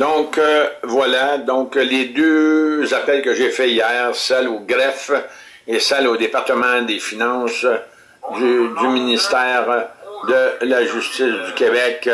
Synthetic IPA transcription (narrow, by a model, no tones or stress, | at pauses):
d̪ɔ̃kvwalad̪ɔ̃kled̪øzapɛlkəʒefɛijɛːʁsɛloɡʁɛf | esɛlod̪epaʁt̪əmɑ̃d̪efinɑ̃s | yd̪yminist̪ɛːʁd̪əlaʒyst̪ɪsd̪ykʲebɛk